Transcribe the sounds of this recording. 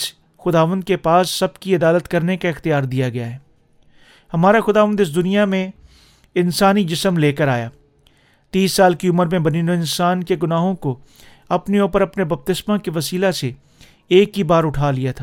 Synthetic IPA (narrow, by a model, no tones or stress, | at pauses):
s | xʊd̪aːʋə̃nd̪̚kepaːsːɐbkiɐd̪aːlət̪kɐɾnekaɪxt̪ijaːɾd̪ijaɡɐjaɦɛː | hɐmaːɾaxʊd̪aːʋənd̪ɪs̬d̪ʊnijamẽ | ɪnsaːnid͡ʒɪsəmleːkəɾaːjaː | t̪iːsːaːlkiʊməɾmẽbɐninõɪ̃nsaːnkeɡʊnaːɦõko | ɐpneoːpəɾɐpnebɐb̚t̪ɪsmãkeʋɐsiːlase | eːkɦibaːɾʊʈʰaːlijat̪ʰaː